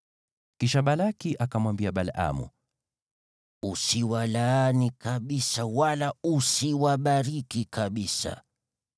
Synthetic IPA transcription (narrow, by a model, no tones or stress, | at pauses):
kiʃaɓalakiʔakamwambiaɓalʔa̰mṵ | usiwalaːnikaɓisawalausiwaɓaɾikikaɓisa̰